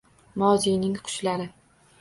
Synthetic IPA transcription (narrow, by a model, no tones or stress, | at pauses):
mɒzijnɪŋqʰʊ̥ʃlaɾɪ